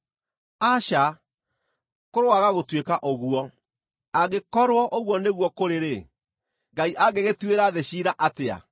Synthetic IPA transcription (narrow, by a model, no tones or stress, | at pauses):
aɕa | koɾowaɣaɣotwekaʔoɣuɔ | aɣekɔɾwɔʔoɣwɔneɣwɔkoɾeɾe | ɡaiʔaɡeɣetweɾaðeɕiːɾaʔatea̰